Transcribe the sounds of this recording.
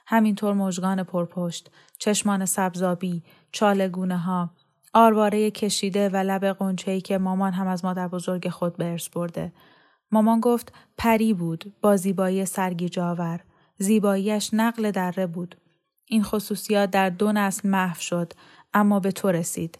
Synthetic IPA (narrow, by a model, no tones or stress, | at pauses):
hæmint̪ʰoːɾmoʒɡɒːnepʰoɾpʰoʃt̪ | t͡ʃʰe̞ʃmɒːne̞sæbzɒːbiː | t͡ʃʰɒːle̞ɡuːneɦɒː | ʔɒːɾvɒːɾejecʰe̞ʃiːd̪e̞vælæbe̞ɣo̞nt͡ʃʰeiːcʰe̞mɒːmɒːnɦæmæzmɒːd̪æɾbo̞zo̞ɾɟe̞xo̞d̪̚beeɾsb̥o̞ɾd̪e̞ | mɒːmɒnɡoft̪pʰæɾiːbuːd̪̥b̥ɒːziːbɒːiːesæɾɟiːd͡ʒɒːvæɾ | ziːbɒːiːjæʃnæɣle̞d̪ærːe̞buːd̪̥ | ʔiːnxo̞suːsijɒːt̪̚d̪æɾd̪o̞næslmæhfʃod̪̥ | ʔæmːɒːbe̞t̪ʰoɾesḭːd̪̥